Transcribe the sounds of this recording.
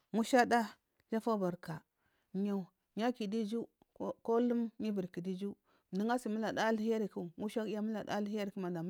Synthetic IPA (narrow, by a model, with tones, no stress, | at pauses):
ŋu˦ʃa˦da˦ | d͡ʒa˦fa˦ba˨ɾka˨ | ɲa˨ | ɲa˦ki˨di˦d͡ʒu˦ | ko˦lu˦mɲi˦bi˨ɾki˨di˦d͡ʒu˦˨ | di˦ŋa˦si˨mu˦la˨da˦lhi˦ja˦ɾi˨ku˦ŋu˦ʃa˦ki˦ja˦mu˦la˨da̰˦li˦i˦ja˦ɾi˨ku˦ma˨nda˨m˦